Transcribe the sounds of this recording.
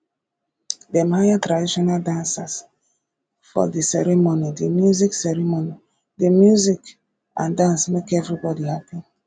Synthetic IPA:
dɛmhajatɾadiʃɔnaldãnsas | fɔ̰disɛɾɛmonidimjuziksɛɾɛmoni | dimjuzik | ã̰ndãnsmekɛvɹibɔdihapĩn

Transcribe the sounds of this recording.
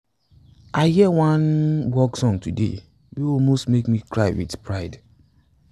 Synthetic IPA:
ʔaɪhiəwãnwɔksɔ̃ŋtudḛ | juɔmostmekmikɹaɪwḭdpɹaɪd

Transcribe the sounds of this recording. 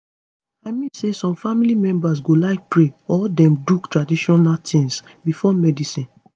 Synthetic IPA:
aɪmĩsesɔ̃mfamilimɛ̃mbas̬ɡolaɪk̚pɹeɔldɛ̃mduktɹadiʃɔnaltʰĩns | bifɔmɛdisĩn

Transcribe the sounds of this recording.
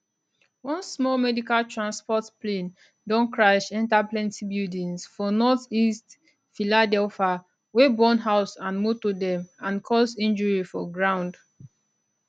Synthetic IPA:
wɔ̃nsmɔlmɛdikaltɹãnspɔtplẽn | dɔ̃nkɹaʃɛ̃ntaplɛ̃ntibidĩnsfɔnɔθist | filadɛlfa | webɔ̃nɦaʊsãnmutudɛ̃mãnkʰɔzĩnd͡ʒɔɹifɔɡɹãʊ̃nd

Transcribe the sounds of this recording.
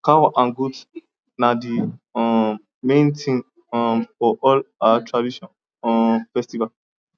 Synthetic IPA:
kawaʔãnɡud | nadiɔ | mẽntʰĩŋ | ɔ̃fɔʔɔlaatʰɹadiʃɔ̃n | ɔfɛstival

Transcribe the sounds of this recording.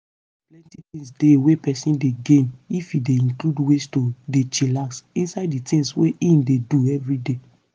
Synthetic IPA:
plɛ̃ntitĩŋsdewepɛsĩndeɡẽnifideĩnkludwestodet͡ʃilaksĩnsaɪdditĩŋsweʔĩndeduɛvɹide

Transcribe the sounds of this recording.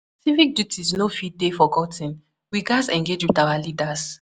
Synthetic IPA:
sivik̚djutʰisnofid̚defɔɡɔtʰĩn | wiɡasɛ̃ŋɡed͡ʒwidawalidas

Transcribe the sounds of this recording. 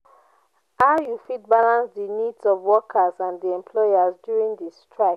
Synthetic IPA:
haʊjufit̚balãnsdinidzɔvwɔkʰəzãndiɛ̃mpʰlɔjazdjuɹĩŋdistɹaɪk

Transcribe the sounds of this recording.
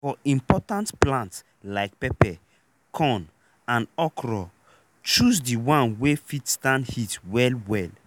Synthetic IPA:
fɔĩmpɔtãntplãnts | laɪk̚pɛpɛ | kʰɔ̃n | ãnɔkʰɹɔ | t͡ʃusdiwãnwefitstãndhitwɛlwɛl

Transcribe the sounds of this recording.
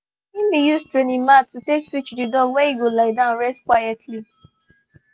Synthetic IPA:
im̩bijustɹenimat̚utekswit͡ʃdidɔwɛiɡolaɪdãʊ̃nɹɛstkwajɛtʰli

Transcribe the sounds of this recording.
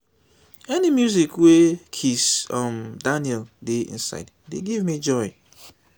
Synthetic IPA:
ɛnimjuzikwekʰisɔ̃mdanjɛldeḭ̃nsa̰ɪd | deɡivmid͡ʒɔɪ

